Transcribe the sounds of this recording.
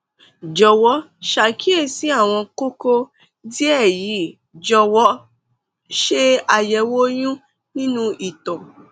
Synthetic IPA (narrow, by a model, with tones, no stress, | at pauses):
d͡ʒɔ˧wɔ˨˦ | ʃa˨˧kʰi˦e˦˨si˨˦a˦˨w̃ɔ̃˧ko˦ko˦ | di˦ɛ˦˨ji˨˦ | d͡ʒɔ˧wɔ˦ | ʃe˦a˧jɛ˨˧wo˦j̃ũ˦ | nĩ˦nũ˦ʔi˨tɔ̃˨